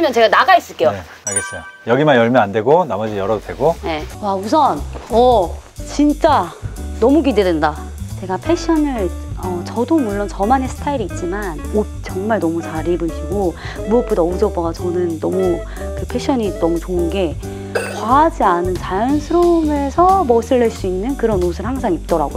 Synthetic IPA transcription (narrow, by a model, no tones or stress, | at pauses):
mjʌnt͡ɕe̞ɡanaɡais͈ɯɭk͈e̞joe | aɭɡes͈ejojʌɡimanjʌɭmjʌandwe̞ɡonamʌd͡ʑijʌɾʌtweɡoje̞wausʰʌnʌt͡ɕint͡ɕ͈anʌmukidedɯnda | t͡ɕe̞ɡapʰe̞ɕ͈ʰʌnɯɭʌt͡ɕʌdomuɭːont͡ɕʌmanesʰɯ̥tʰaiɾiːt̚t͡ɕ͈imano | t͡ɕʌŋmaɭnʌmut͡ɕaɾibɯɕʰiɡo | muʌk̚p͈otaʌud͡ʑʌbʌɡat͡ɕʌnɯnːʌmu | kɯpʰe̞ɕ͈ʰʌɲinʌmut͡ɕoɯnɡe̞ | kwaːd͡ʑianɯnt͡ɕajʌnsʰɯɾome̞sʰʌmʌs͈ʰɯɭːeɭs͈uinːɯnkɯɾʌnosʰɯɭhaŋsʰaŋip̚t͈ʌɾa̰ɡo̰